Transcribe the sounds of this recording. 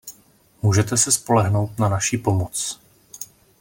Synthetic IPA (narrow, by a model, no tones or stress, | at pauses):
muːʒɛt̪ɛsɛspo̞lɛɦno̞wt̪nanaʃiːpo̞mot͡s